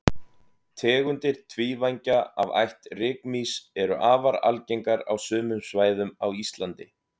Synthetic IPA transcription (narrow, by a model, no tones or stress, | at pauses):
t̪ʰɛːɣʏnt̪ɪɾ̥t̪ʰviːvajɲcaa̰va̰jht̪rɪːkmisɛɾʏʔaːvaɾa̰lcejŋkaɾa̰wsʏːmʏmsvaːjðʏmawist̪lant̪ɪ